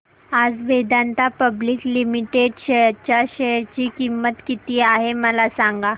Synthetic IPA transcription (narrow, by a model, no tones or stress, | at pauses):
ad͡zʋed̪ant̪apəbliːklimiʈeɖɕet͡ɕjaɕeɾt͡ɕiːkimːət̪kit̪iːaɦeməlasãŋɡa